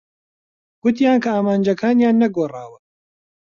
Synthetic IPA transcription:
ɡ̥ʊt̪jaːnkɐaːmaːnd͡ʒɐkʰaːnjaːnːɐɡoːraːwɨ

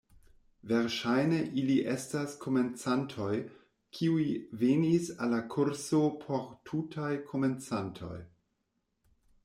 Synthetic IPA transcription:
veɾʃajne̞ʔiliʔestaskʰo̞ment͡santʰo̞j | kʰiuivenisalakʰuɾsopʰo̞ɾtʰutʰajkʰo̞ment͡santʰo̞̰j

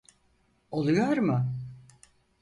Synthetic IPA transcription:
olˠujoɾmɯ

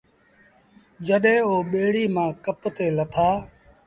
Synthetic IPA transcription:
d͡ʒəɗɦẽːoːɓeːɽiːmãːkəpt̪eːlət̪ʰaː

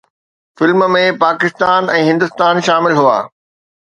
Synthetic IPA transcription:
fɪlmmẽpaːkɪst̪aːnɛ̃ːɦɪ̃nd̪ʊst̪aːnʃaːmɪlɦua̰ː

